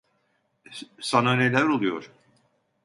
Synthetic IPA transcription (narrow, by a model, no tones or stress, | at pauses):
sanane̞lʲæɾo̞lˠujoɾ̥